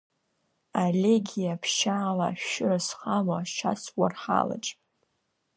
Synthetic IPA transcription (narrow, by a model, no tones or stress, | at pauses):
alʲeɡʲijapʰʃaːla̰ʃʊrasχamaʃaswarħa̰la̰ʈ͡ʂʼ